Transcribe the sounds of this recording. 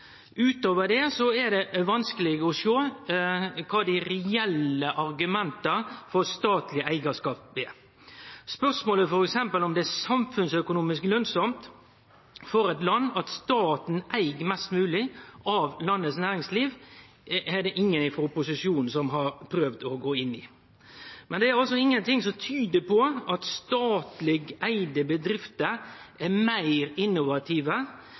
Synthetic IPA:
ʉːt̪oːʋəɖ̪ɛsɔæd̪ɛʋɑnskəlɪɡəɔʂoː | kʰɑːd̪ɪɾɛɛləʔɑɾɡʉmɛnt̪əfɔɾst̪ɑːt̪lɪʔæɪɡəʂkɑːp̚beː | spœsmoːləfɔɾɛksɛmpəlɔmd̪ɛæsɑmfʉnsœkʊnuːmɪsklœnsɔmt̪ | fɔɾɛt̪lɑnːɑt̪st̪ɑːt̪n̩ʔæɪɡmɛst̪mʉːlɪʔɑʋlɑnːəsnæːɾɪŋsliːʋ | ɛd̪ɛʔɪŋːənɪfɔʊpːʊsɪʂuːnn̩sɔmɦɑɾpʰɾøːʋd̪ɔɡoːɪnːɪ | mɛnd̪ɛæɾɑls̬ɔɪŋːənt̪ɪŋsɔmt̪ʰyːd̪əpʰɔɑt̪st̪ɑːt̪lɪɡæɪd̪əbəd̪ɾɪft̪əʔæmæɪɾɪnːʊʋɑt̪ʰiːʋə

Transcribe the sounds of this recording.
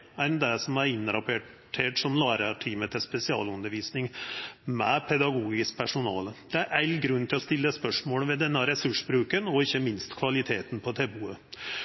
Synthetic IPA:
ænd̪æsɔmæɾɪnːɾɑpe | ʈʰeːʈsɔmlɑːɾəʈʰiːmət̪ʰɪspɛsɪɑ̰ːlʉnːəɾʋiːsnɪŋmɛpʰɛd̪ɑɡuːɡɪsk̚pʰæʂʊnɑ̰ːləd̪̥ɛæɾʔæɪlɡɾʉnːt̪ʰɪlɔst̪ɪlːəspœʂmoːlʋɛd̪ɛnːəɾɛsʉʂbɾʉːkənɔɪçːəmɪnst̪kʰʋɑlɪt̪ʰeːt̪n̩pʰɔt̪ʰɛbuːə

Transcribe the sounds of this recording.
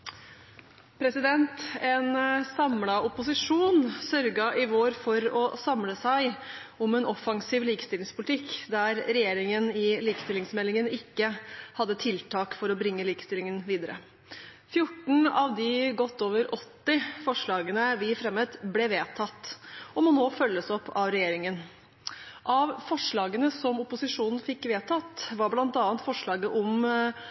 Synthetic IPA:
pʰɾɛsɪd̪ɛnt̪ɛnsɑmlɑʊpʊsɪʂuːnsœɾɡɑʔɪʋoːɾfɔɾɔsɑmləsæɪ | ʊmɛnʔɔfɑŋsiːʋliːkə̥st̪ɪlɪŋspʰʊlɪt̪ʰɪkːd̪æɾɾɛjeːɾɪŋənɪliːkə̥st̪ɪlɪŋsmɛlːɪŋənɪkːəhɑd̪ːət̪ʰɪlt̪ʰɑːkfɔɾɔbɾɪŋːəliːkə̥st̪ɪlɪŋənʋiːd̪əɾə̰ | fjʊʈːn̩ɑʋd̪ɪɡɔt̪ːoːʋəɾʔɔt̪ːɪfɔʂɭɑːɡənəʋɪfɾɛmːət̪blɛʋeːt̪ʰɑt̪ːɔmɔnoːfœlːəsɔpːɑʋɾɛjeːɾɪŋən | ʔɑʋfɔʂɭɑːɡənəsɔmʊpʊsɪʂuːnn̩fɪkːʋeːt̪ʰɑt̪ʋɑɾblɑnt̪ɑːənt̪fɔʂɭɑːɡəʔɔm

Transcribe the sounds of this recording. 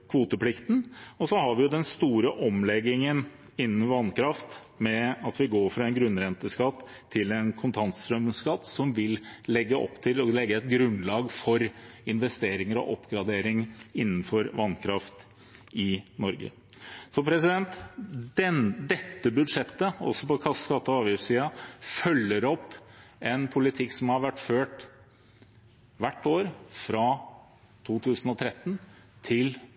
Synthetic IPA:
kʰʋuːt̪əpʰlɪkt̪n̩ɔsɔɦɑɾʋɪjʊd̪ɛnst̪uːɾəʔɔmlɛɡːɪŋən | ɪnːnʋɑnkʰɾɑft̪ | mɛɑt̪ʋɪɡoːɾfɾɑɛnɡɾʉnːɾɛnt̪əskɑt̪ʰː | ɪlɛnkʰʊnt̪ʰɑnst̪ɾœmskɑt̪ːsɔmʋɪllɛɡːəʔɔ̰pːt̪ʰɪlɔlɛɡːəɛt̪ɡɾʉnlɑːɡfɔɾɪnʋɛst̪eːɾɪŋəɾɔ̰ʔɔpːɡɾɑd̪eːɾɪŋɪnːn̩fɔɾʋɑnːkʰɾɑft̪ | ɪnɔɾɡə̰ | sɔpʰɾɛsɪd̪ɛnt̪d̪ɛd̪ɛt̪ːəbʉd̪ʂɛt̪ːəɔ̰sːɔpɔkʰɑsskɑt̪ːəɑːʋjʉsiːɑfœlːəɾɔpːɛnpʰʊlɪt̪ʰɪkːsɔmhɑɾʋæʈːføːʈ | ʋæʈːoːɾfɾɑ | t̪ʰuːt̪ʰʉːsən̩ɔt̪ʰɾɛt̪ːnt̪ʰɪl

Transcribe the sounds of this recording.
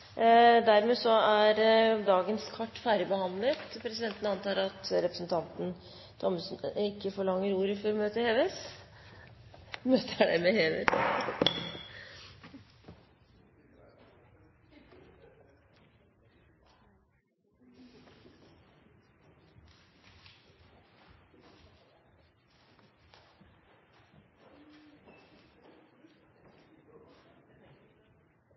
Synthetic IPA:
d̪æɾmeːsɔæɾd̪ɑːɡənskʰɑʈːfæːɾəbəhɑnd̪lət̪pʰɾɛsɪd̪ɛnt̪ənəɑnt̪ɑːɾɑt̪ɾɛpɾəsnt̪ʰɑnt̪n̩ | t̪ʰɔmsnɪkːəfɔɭɑŋːəɾuːɾəfɔɾɔmøːt̪əheːʋes | møːt̪ʰəɖɛmɛheːʋḛs

